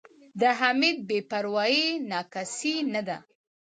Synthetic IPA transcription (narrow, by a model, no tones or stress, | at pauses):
d̪əɦamid̪̚bepaɾwɑjinɑkasinad̪a